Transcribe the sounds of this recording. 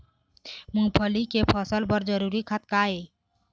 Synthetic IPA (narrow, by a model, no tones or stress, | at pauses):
mũpʰəlikepʰəsəlbəɾd͡ʒəɾuɾikʰat̪̚kae